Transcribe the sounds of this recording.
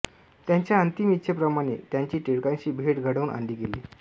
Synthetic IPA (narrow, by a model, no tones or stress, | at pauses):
t̪jaɲt͡ɕjaənt̪imitɕʰepɾəmaɽ̃ḛt̪jaɲt͡ɕiːʈeɭkãnt͡ɕiːbʱeʈɡʱəɽaunʔa̰ɳɖiːɡeliː